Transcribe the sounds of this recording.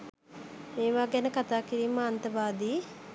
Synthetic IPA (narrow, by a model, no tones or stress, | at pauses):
meːʋaːɡɛnəkat̪aːkiɾiːməant̪əʋaːd̪iː